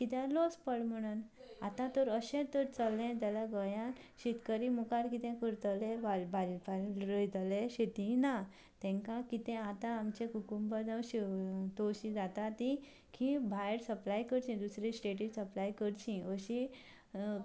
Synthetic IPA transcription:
kit̪ɛ̃lospəɽm̤əɽ̃unat̪ãt̪ɔɾəɕɛ̃t̪əɾt͡səlːɛ̃t̪alaɡəjãnɕit̪kəɾimukaɾkit̪ɛ̃kəɾt̪lẽʋabalpalɾəjt̪leɕet̪ĩna | t̪ɛ̃ŋkãkit̪ɛ̃at̪ãːmt͡ɕẽkukumbəd͡zawɕit̪oɕĩd͡zat̪at̪ĩ | kʰĩbʱajɾsəplajkəɾt͡ɕĩd̪usɾisʈeʈ̬isəplajkəɾt͡ɕĩəɕĩ

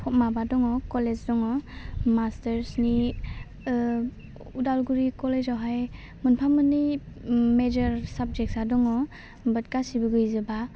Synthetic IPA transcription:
pʰɔt̚mabadɔŋɔkɔled͡ʒdɔŋɔmasteɾsni | udalɡuɾikɔlezawɦaj | munpʰamɯnːi | med͡ʒɔɾsab̚d͡ʒek̚sadɔŋɔ | bɯt̚kasibɯɡɯjzɯba

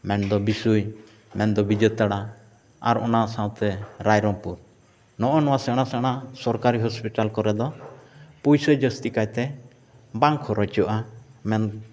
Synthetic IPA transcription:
mɛnd̪ɔbisuj | mɛnd̪ɔbid͡ʒət̪aɽa | a̰ɾɔ̰naʔsãwt̪ɛɾajɾɔŋpuɾ | nɔʔɔnɔwasɛɽ̃asɛɽ̃asɔɾkaɾiɦɔspiʈalkɔɾɛd̪ɔ | pujsəjd͡ʒəst̪ikajt̪ɛ | baŋkʰɔɾɔt͡ʃɔʔamɛn

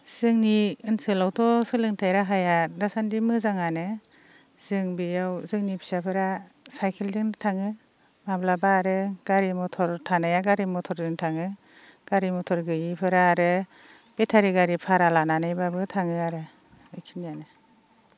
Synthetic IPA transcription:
z̥ɯŋniɯnsɯlawtʰɔsɯlɯŋtʰajɾaɦajadasandimɯzaŋanɯ | z̥ɯŋbijawzɯŋnipʰi̥sapʰɯɾa | sajkʰelzɯŋtʰaŋɯ | mablabaɾɯɡ̥aɾimɔtʰɔɾtʰanajaɡaɾimɔtʰɔɾzɯŋtʰaŋɯ | ɡ̥aɾimɔtʰɔɾɡɯjipʰɯɾaːɾɯ | b̥etʰaɾiɡaɾipʰaɾalananajbabɯtʰaŋɯaɾɯ | ɯjkʰinijanɯ

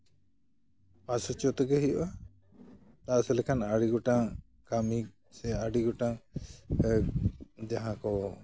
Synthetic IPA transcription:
pasɔt͡ʃɔt̪ɔɡɛɦiʔɔʔa | t̪aʔsɛlɛkʰanaɽiɡɔʈa | kami | sɛaɽiɡɔʈa | d͡ʒaɦãkɔ

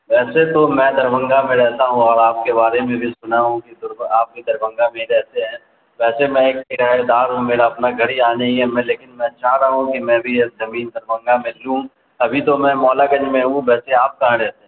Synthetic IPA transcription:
ʋɛːset̪omɛ̃d̪ɐɾʋə̃ŋɡamẽɾɛɦt̪aɦũɔːɾaːp̚kebaːɾemẽbʱisʊnaɦũkid̪ɾaːp̚kid̪ɐɾʋə̃ŋɡamẽɾɛːt̪eɦɛ̃ː | ʋɛːsemɛ̃eːkɪʈaːed̪aːɾɦmeːɾaɐpnaɡʱɐɽiaːneiɦɛmɛ̃leːkɪnmɛ̃t͡ʃaːɦɾaɦũkimɛ̃bʱiekzɐmiːnd̪ɐɾʋə̃ŋɡamẽlũ | ɐbʱit̪omɛ̃mɔːlaɡɐ̃d͡ʒmẽɦũʋɛːseaːp̚kaãɾɛɦt̪e

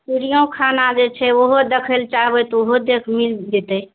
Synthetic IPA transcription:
piɽijõkʰanad͡ʒet͡ʃʰɛoɦod̪əkʰəlt͡ʃaɦbɛt̪ɔoɦod̪ekʰmild͡ʒet̪əj

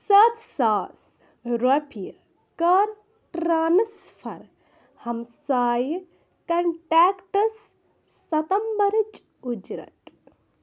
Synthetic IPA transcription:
sɐt̪saːs | ɾɐpʰi | kɐɾ | ʈɾaːnɐsfʰɐɾ | hɐmsaːj | kɐɳʈaːkʈɐsː | ɐt̪ɐmbɐɾt͡ʃ | ud͡ʒɾɐ̰t̪

